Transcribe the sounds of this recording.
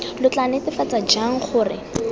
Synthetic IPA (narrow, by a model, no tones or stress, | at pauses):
lʊt͡ɬanɪtɪfat͡sad͡ʒaŋ̩χʊːrɪ̰